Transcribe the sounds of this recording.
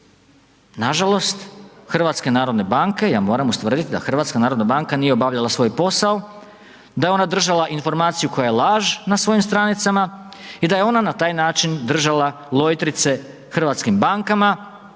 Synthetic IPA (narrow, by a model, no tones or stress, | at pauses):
naʒalˠo̞st̪xr̩ʋat̪ske̞naːɾo̞d̪ne̞baŋke̞jaːmo̞ːɾamust̪ʋr̩d̪it̪id̪a̰xr̩ʋat̪skanaːɾod̪nabaŋkanijeo̞baʋʎalˠasʋo̞jpo̞sao | d̪ajeo̞nad̪r̩ʒalˠaʔinfo̞ɾmaːt̪sijukʰo̞jajelˠaːʒnasʋo̞jimst̪ɾanit̪samaid̪ajeo̞nanat̪aːjnaːt͡ʃind̪r̩ʒalˠa | lˠo̞jt̪ɾit̪se̞ | xr̩ʋat̪skimbaŋkama